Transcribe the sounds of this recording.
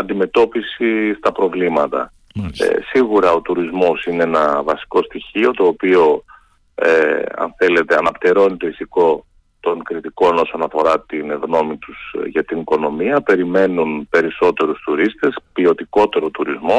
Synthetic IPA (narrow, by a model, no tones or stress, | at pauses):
ɐnd̪ime̞t̪o̞pisist̪ɐpɾo̞vlimɐt̪ɐ̰ | siɣuɾɐo̞t̪uɾizmo̞sineenɐvɐsi̥ko̞st̪içio̞t̪o̞ːpio̞ | eɐ̰nθe̞le̞t̪e̞ɐnɐpt̪eɾo̞nit̪o̞iθiko̞ | t̪o̞ŋkɾit̪iko̞no̞so̞nɐfo̞ɾɐt̪inɣno̞mit̪usʝɐt̪iniko̞no̞miɐpe̞ɾime̞nunpe̞ɾiso̞t̪e̞ɾust̪uɾist̪e̞spio̞t̪iko̞t̪e̞ɾo̞t̪uɾizmo̞